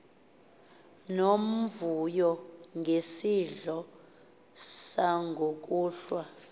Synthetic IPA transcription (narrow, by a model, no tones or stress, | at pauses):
nom̩vujɔŋɡʱesiɮɔ | saŋɡʱok̬uːɬwa